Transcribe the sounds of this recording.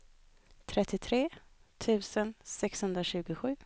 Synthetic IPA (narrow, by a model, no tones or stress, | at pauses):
t̪ʰɾɛt̪ːɪt̪ʰɾeːt̪ʰʉ̟ːsənsɛkshɵnd̪ɾaɕʉ̟ːɡʊɧʉ̟ː